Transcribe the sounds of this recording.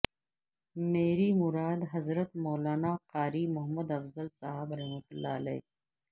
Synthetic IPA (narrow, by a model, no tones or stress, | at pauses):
meːɾimʊɾaːd̪ɦɐzɾət̪̚moːlaːnaːqaːɾiːmʊɦmɐd̪ɐfzɐlsaːɦabɾɐɦmɐt̪ʊlːa̰ːlḛj